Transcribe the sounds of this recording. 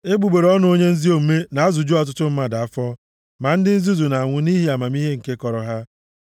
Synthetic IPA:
e˦bu˨ɡ͡be˨ɾɔ˦n˦o˦ɲe˦n̩˦zi˦o˨m̩˨me˦na˨a˦zu˨d͡ʒu˦ɔ˨t̬ʊ˦tʊ˦m̩˦ma˦da˨a˦fɔ˦ | ma˨n̩˦dɪ˦n̩˦zu˦zu˨na˨a˨ŋʷʊ˨ni˦ɦi˦a˨ma˨mi˦ɦe˦ŋ̩˨ke˦kɔ˨ɾɔ˨ɦa˦

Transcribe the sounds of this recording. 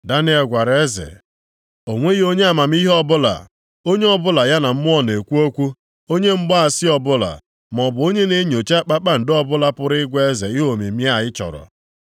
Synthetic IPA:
da˦nɪ˦e˨ɡʷa˨ɾe˦zḛ˨ | o˨ŋʷe˦ɣi˦o˦ɲe˦a˨ma˨m̩˦i˦ɦɔ˦bʊ˦la̰˨ | o˦ɲe˦ɔ˦bʊ˦la˨ja˦na˨m̩˦mʊ˦ɔ˦ne˨kʷu˦o˦kʷu˦ | o˦ɲe˦m̩˦ɡ͡ba˦a˨sɪ˦ɔ˨bʊ˦la̰˨ | m˨ɔ˨bʊ˨o˦ɲe˦ne˦ɲo˨t͡ʃa˦k͡pa˦k͡pa˦n̩˨dɔ˦bʊ˦la˦pʊ˦ɾɪ˦ɡʷe˦e˦zḛ˨ɪ˦ɦo˨mi˨mi˦a˨jɪ˦t͡ʃɔ̰˨ɾɔ̰˨

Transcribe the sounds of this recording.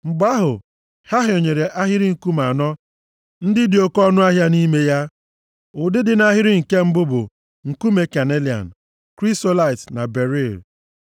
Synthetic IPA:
ŋ͡m̩˨ɡ͡ba˦ɦʊ˨ | ha˦ɦo˨ɲe˨ɾe˨ʔa˦ɦɪ˦ɾɪ˦ŋ̩˨ku˦ma˨nɔ˦ | n̩˦dɪ˦dɪ˨o˦kɔ˦nʊ˦a˦ɦja˦ni˦me˦ja˦ | ʊ˨dɪ˦dɪ˨na˦ɦɪ˦ɾɪ˦ŋ̩˨ke˦m̩˦bʊ˦bʊ̰˨ | ŋ̩˨ku˦me˨ka˨ne˦li˨a̰˨n̩˨ | kɾi˦sto˦la˦ɪ˨tna˨be˨ɾi˦˨l

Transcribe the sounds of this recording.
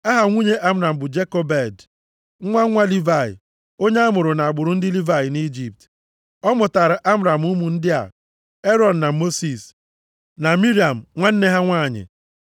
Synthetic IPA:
a˦ɦa˨ŋʷu˦ɲe˦ʔa˦m̩˦ɾa˨m̩˨bʊ˨d͡ʒe˦ko˦be˦˨d̩˦ | ŋʷa˦ŋʷa˦li˦va˨ɪ̰˨ | o˦ɲe˦a˦mʊ˨ɾʊ˨na˨a˨ɡ͡bʊ˨ɾʊ˨n̩˦dɪ˦li˦va˨jɪ˨ni˦d͡ʒi˨p̚t | ɔ˦mʊ˨ta˨ɾa˨ʔa˦m̩˦ɾa˨m̩˦u˦mu˨n̩˦dɪ˦a̰˨ | e˦ɾɔ˨n̩˨na˨mo˦si˨s | na˨mi˦ɾi˦˨a˨m̩˨ŋʷa˦n̩˦ne˦ɦa˦ŋʷaː˦˨ɲɪ̰˨

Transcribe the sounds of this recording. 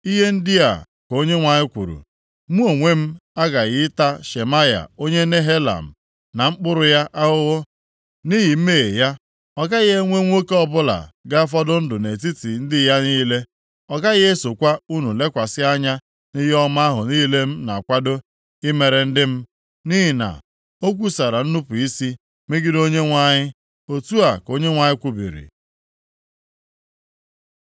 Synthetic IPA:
i˦ɦe˦n̩˦dɪ˦ja̰˨ | ko˦ɲe˦ŋʷa˨ɲɪ˦kʷṵ˨ɾṵ˨ | mu˦o˨ŋʷe˦m̩˦a˦ɡa˨ɣɪ˦ta˦ʃe˨ma˦ja̰˨o˦ɲe˦ne˦ɦe˦la̰˨m̩˨ | na˨ŋ͡m̩˦k͡pʊ˦ɾʊ˨ja˦ʔa˦ɦʊ˦ɣʊ˦ | ni˦ɦi˨m̩˦me˦˨ḛ˨ja˦ | ɔ˦ɡa˦ɣɪ˦e˦ŋʷe˦ŋʷo˦ke˦ɔ˦bʊ˦la̰˨ɡa˦fɔ˦dʊ˦n̩˦dʊ˨ne˨ti˦ti˨n̩˦dɪ˦ja˦niː˦le˦ | ɔ˦ka˦ɣɪ˦e˦so˨kʷa˦u˦nu˨le˦kʷa˨sɪ˦a˦ɲa˦ | ni˦ɦi˦ɔ˦ma˦ɦʊ˨niː˦le˦m̩˦na˨kʷa˦do˦ | ɪ˦me˨ɾe˨n̩˦dɪ˦m̩˦ | ni˦ɦi˨na̰˨ | o˦k̬ʷu˦sa˨ɾa˨n̩˦nu˦pu˨i˦si˦ | me˦ɡɪ˦do˦ɲe˦ŋʷa˦˨ɲɪ˦ | o˨tu˦a˨ko˦ɲe˦ŋʷa˨ɲɪ˦kʷu˦bḭ˨ɾḭ˨

